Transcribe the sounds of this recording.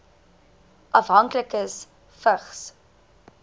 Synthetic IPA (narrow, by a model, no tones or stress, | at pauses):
ʔɐfɦɐŋkləkəs | fəχs